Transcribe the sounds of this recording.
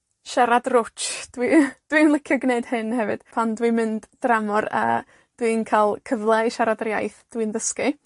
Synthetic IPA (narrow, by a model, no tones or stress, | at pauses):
ʃaɾadrʊt͡ʃd̥wid̥wimlˠɪkʰjɔɡneɨd̥hɨnhɛvɨ̰d̥pʰandwimɨnd̥ːramɔrə̰ | d̥winkʰalˠkʰəvlˠɛʃaɾadrjajθd̥winðəskɨ